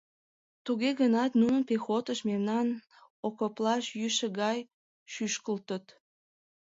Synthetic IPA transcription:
t̪uɣeɣənɑt̪nunənpexot̪əʃmemnɑn | okoplɑʃjyʃə̆ɣɑj | ʃyʃkəlt̪ət̪

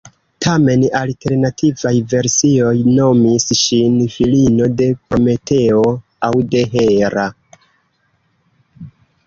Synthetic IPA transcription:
tʰame̞nalte̞ɾnatʰivajve̞ɾsio̞jno̞misʃinfilino̞de̞ko̞me̞tʰe̞o̞ | awde̞ɦe̞ɾa

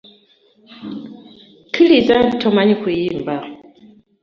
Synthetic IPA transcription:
kʰɨlizantʰɔmaɲikwijimba

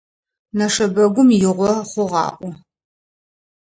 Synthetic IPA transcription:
nɐʂɐbɐɡʷʊmjɪʁʷɔχʷʊʁɑ̰ːʔʷʼɔ

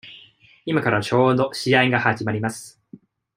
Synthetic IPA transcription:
imakaɾat͡ɕo̞ːd̪o̞ɕiaiɡahad͡ʑimaɾʲimasɨ̥

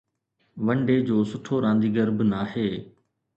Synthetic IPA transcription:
ʋəɳɖeːd͡ʑoːsʊʈʰoːɾãːnd̪iːɡəɾbnaːheː

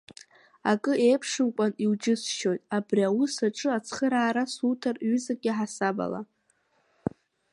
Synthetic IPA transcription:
akʼɨejpʰʂɨmkʷʼaniwd͡ʒɪsʃo̞jtʼabriawʊsaʈ͡ʂʼɨat͡sʰχəɾaːɾasutʰarɥʏzaɡʲʼɪħasaba̰la̰

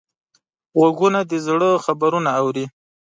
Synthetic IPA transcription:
ɣaɡunad̪əzɽəxabaɾunaːwɾi

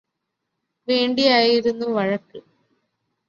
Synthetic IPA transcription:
ʋe̞ːɳɖijaːjiɾunːuʋɐɻɐkːɨ

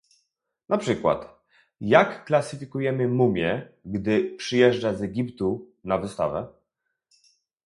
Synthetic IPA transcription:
napʂɘkwa̰t̪ | jakːlasɘfʲikujɛmɘmumʲjɛɡd̪ɘpʂɘjɛʐd͡ʐazɛɡʲipt̪u | navɘst̪a̰vɛ

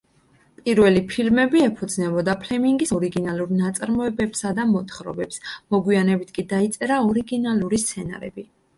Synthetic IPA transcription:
pʼiɾvɛlipʰilmɛbiɛpʰɔd̪znɛbɔd̪apʰlɛmiŋɡisɔɾiɡinalˠuɾnat̪sʼaɾmɔɛbɛpsad̪amɔt̪ʰχɾɔ̰bɛpsmɔɡwianɛbit̪ʰkʼid̪ait̪sʼɛɾaɔɾiɡinalˠuɾist̪sʰɛna̰ɾɛ̰bi

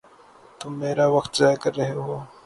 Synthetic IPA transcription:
t̪ʊmːeːɾaʋɐkt̪zaːjkɐɾːɐɦeɦoː

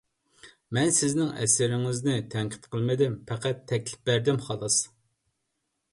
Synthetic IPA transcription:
mɛnsɪznɪŋɛ̰sɪɾɪŋɪznɪt̪ʰɛŋqʰɪ̥t̪qʰəlˠmɪd̪ɪmpʰæqʰæt̪ʰːɛkʲlɪ̥p̚bæɾd̪ɪmχɑlˠɨs

